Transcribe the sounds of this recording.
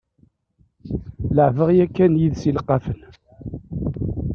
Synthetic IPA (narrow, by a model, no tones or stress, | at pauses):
ləʕvəʁjækːænjiðsilqːɑfən